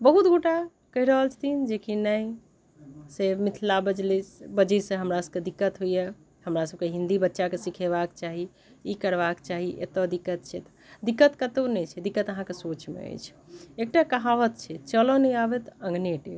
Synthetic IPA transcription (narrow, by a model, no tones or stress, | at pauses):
bəɦut̪ɡoʈa | kəɦiɾəɦəlt͡ʃʰə̥t̪ʰind͡ʒekinəj | semit̪ʰlabəd͡ʒlibəd͡ʒisə̃ɦəmɾasəb̚ked̪ikːət̪ɦuje | həmɾasəb̚keɦĩnd̪ibətːʃakesikʰeβakt͡ʃaɦi | ikəɾbakt͡ʃaɦiʔḛt̪əd̪ikːət̪̚t͡ʃʰɛt̪ | d̪ikːət̪kət̪onɛt͡ʃʰɛd̪ikːət̪əɦãkesot͡ʃmḛə̰jt͡ʃʰ | ek̚ʈakəɦaʋət̪t͡ʃʰɛt͡ʃəlɔnɛjabet̪ə̃ŋɡneʈe